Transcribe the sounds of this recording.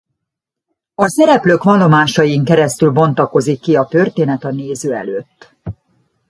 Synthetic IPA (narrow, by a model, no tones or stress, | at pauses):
ɒsɛɾɛpløːkʋɒlːo̞maːʃɒjiŋkɛɾɛst̪ylbo̞nt̪ɒko̞zikːiɒt̪ø̞rt̪eːnɛt̪ɒneːzøːɛ̰løːt̪ː